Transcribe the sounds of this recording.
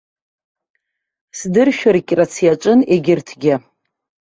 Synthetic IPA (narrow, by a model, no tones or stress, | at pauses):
sdɨrʃᶣaɾkʲʼrat͡sʰjat͡ʃʷʼɨneɡʲɪrtʰɡʲɪ